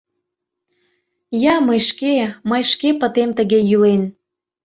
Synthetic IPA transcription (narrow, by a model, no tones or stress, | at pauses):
jɑməjʃkeməjʃkepət̪emt̪əɣejylen